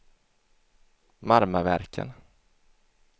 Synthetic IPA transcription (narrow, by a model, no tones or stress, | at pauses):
maɾmavæ̰ɾkʰə̰n